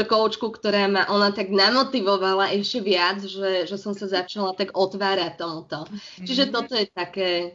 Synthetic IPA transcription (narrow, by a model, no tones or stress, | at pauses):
kɔʊt͡ʃkukt̪ɔɾaːmaʔɔnat̪aɡnamɔt̪iʋɔʋalaʔɛʃcɛʋɪad͡zʒɛʒɛsɔmsazat͡ʃalat̪aɡɔt̪ʋaːɾac̚t̪ːɔmut̪ɔt͡ʃiʒɛt̪ɔt̪ɔjɛt̪akɛː